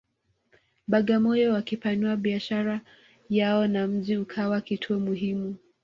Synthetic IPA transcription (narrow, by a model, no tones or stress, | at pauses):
ɓaɠamɔjɔwakipanuaɓiaʃaɾa | jaɔnam̩ʄiukʰawakitʰuɔmuɦimu